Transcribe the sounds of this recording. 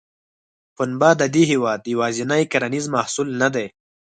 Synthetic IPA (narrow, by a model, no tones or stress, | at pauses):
xʊnbad̪ad̪iɦiwɑːd̪waːzinajkaɾanizmahsulnad̪aj